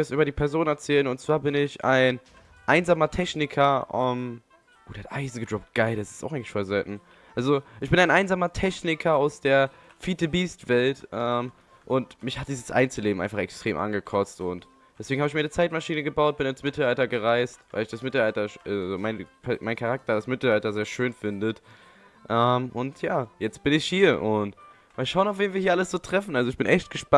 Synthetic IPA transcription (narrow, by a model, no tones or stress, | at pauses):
ɛsʔyːbɐdiːpʰɛɐzoːnɛɐt͡sɛːlənʊntt͡sv̥aːɐbɪnɪça̰ɪn | ʔaɪnzaːmɐtʰɛçnɪkʰɐʔɛm | ʔoːdeɐtʔaɪzn̩ɡədʁɔp̚t̚ɡ̥aɪldasɪ̥staʊxʔɪɡŋklɪ̥çfoːzɛltn̩ | ʔalzoʔɪçb̥ɪnaɪnaɪnzaːmɐtʰɛçnɪkʰɐaʊsd̥eːɐ | fiːtəbiːstv̥ɛltʔɛm | ʔʊntmɪçhat̚d̥iːzəsʔa̰ɪnt͡səleːbm̩ʔaɪfaχɛ̰kstʁ̥eːmʔa̰nɡəkʰɔt͡stʊnt | d̥ɛsv̥eːɡŋ̩haːbɪçmiːɐnət͡saɪtmaʃiːnəɡəbaʊt̚b̥ɪnansmɪtl̩altɐɡəʁaɪstvaɪlɪçd̥asmɪtl̩altɐʃʔazomaɪnkʰamaɪnkʰaʁak̚tɐdasmɪtl̩altɐzeːɐʃøːnfɪndət | ʔɛmʔʊntʰjaːjɛt͡st̚b̥ɪnɪçhiːɐʔʊnt | maʃaʊənaʊfveːnviːɐhiːɐaləsz̥oːtʁ̥ɛfn̩ʔalzoɪçb̥ɪnʔɛçt̚ɡ̥əʃpa